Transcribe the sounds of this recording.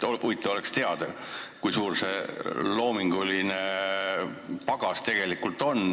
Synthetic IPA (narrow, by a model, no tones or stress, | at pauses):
oʔujt̪ːˑeo̞le̞kst̪e̞ɑd̪̥ɑ | kujsuːrselo̞ːmiŋɡ̥uline | pɑɡ̥ɑst̪e̞ɡ̥e̞likult̪ˑo̞n